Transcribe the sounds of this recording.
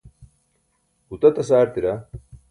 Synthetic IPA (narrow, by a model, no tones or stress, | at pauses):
ut̪ɐt̪ɐsaːɾt̪iɾa